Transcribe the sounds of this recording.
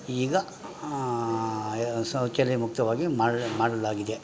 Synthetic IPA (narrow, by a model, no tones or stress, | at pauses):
iːɡɐ | sɐt͡ʃɛlimukt̪ɐʋaːɡimaːɽmaːɽɐlaːɡid̪e